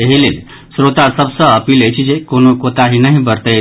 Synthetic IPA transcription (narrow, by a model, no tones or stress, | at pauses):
eɦilel | sɾot̪asəbsəːpilejt͡ɕid͡ʑekonokot̪aɦinaɦibəɾt̪əe